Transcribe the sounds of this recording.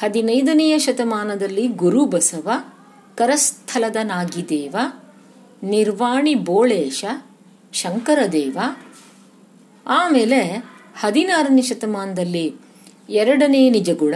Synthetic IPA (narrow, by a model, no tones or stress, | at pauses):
hɐd̪inɐjd̪ɐnɛjɐʃɐt̪ɐmaːnɐd̪ɐlːiɡuɾubɐsɐʋɐ | kɐɾɐst̪ʰɐlɐd̪ɐnaːɡid̪eːʋɐ | niɾʋaːɳiboːɭeːʃɐ | ʃɐŋkɐɾɐd̪eːʋɐ | aːmeːlehɐd̪inaːɾɐneʃɐt̪ɐmaːnɐd̪ɐlːi | ɛɾɐɽɐneːnid͡ʒɐɡuɭɐ